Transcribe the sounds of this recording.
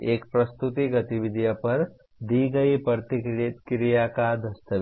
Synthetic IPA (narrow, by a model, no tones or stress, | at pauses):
eːk̚pɾɐst̪ut̪iɡɐt̪iʋid̪ʱijɐpɐɾ | d̪iːɡɐipɐɾt̪ikɾkɾijakad̪ɐst̪ɐʋ